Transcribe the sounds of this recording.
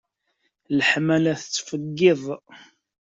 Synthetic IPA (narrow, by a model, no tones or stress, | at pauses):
ləħmælæθət͡sːfəɡːɪðˤ